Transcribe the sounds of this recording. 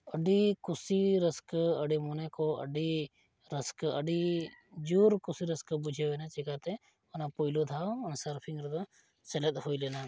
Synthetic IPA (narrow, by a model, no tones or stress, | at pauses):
əɖikʊsiɾəskəɖimoːnekoə̰ɖi | ɾəskə̰ɖid͡ʒuːɾkʊsiɾəskbʊd͡ʒʱeʋenat͡ʃɪkaːt̪ẽ | onapoilot̪ʰaːnsəɾpʰɪ̃ŋɡɾd̪o | sələt̪ɦoːileːna